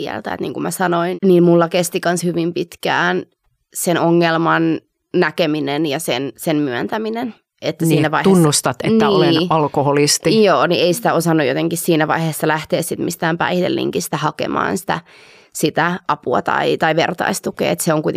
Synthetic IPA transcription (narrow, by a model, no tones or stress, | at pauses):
iæ̰ɛ̰lt̪æḛt̪nḭːŋkumæsɑnoinniːmmulːɑkest̪ikɑnshyʋimpit̪kæːn | senoŋːelmɑn | nækeminenjɑsensenmyænt̪æminen | et̪ːæsiːnæʋɑitunːust̪ɑt̪ḛt̪nːæioleɑlkoholist̪ijoːniʔeisi̥t̪æosɑnːujot̪eŋkissiːnæʋɑ̰iheːsːɑlæht̪eːssit̪mist̪æːmpæ̰ihit̪ḛlːḭŋkist̪æhɑkḛmɑ̰ːnsi̥t̪æ | sit̪æʔɑpuɑ̰t̪ɑ̰it̪ɑiʋert̪ɑ̰ist̪ukḛːet̪seoŋkuijt̪